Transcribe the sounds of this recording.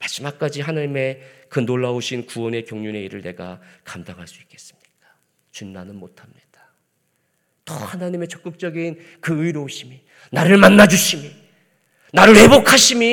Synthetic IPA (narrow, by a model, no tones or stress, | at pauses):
maɕimak̚k͈ad͡ʑiɦanaɲime̞kɯnoɭːaoɕʰinkuwʌne̞kjoŋɲune̞iɾɯɭne̞̰ɡa̰kamdaŋɦaɭs͈uik͈e̞̥s͈ɯ̥mɲik̚ḁ | t͡ɕunːanɯnmotʰamɲid̥ḁ | tʌ̰hanaɲime̞t͡ɕʌk͈ɯk̚t͡ɕ͈ʌɡin | kɯɯiɾooɕʰimi | naɾɯɭmanːad͡ʑuɕʰimi | naɾɯɭhe̞bokʰaɕʰimi